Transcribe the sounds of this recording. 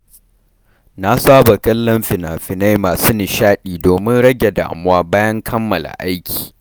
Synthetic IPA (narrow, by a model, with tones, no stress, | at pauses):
na˦saː˦ba˨kɐ˦lːɐ˦mɸɪ˨na˨ɸɪ˨na˦jmaː˨su˦nɪ˨ʃaː˦ɗiː˨doː˨mɪ˦nɽɐ˦ɡʲe˨da̰ː˨mʊ˦waː˦baː˦jɐ˦ŋkʰɐ˦mːɐ˨la̰˨ʔa˦jkʲʰi̥ː˨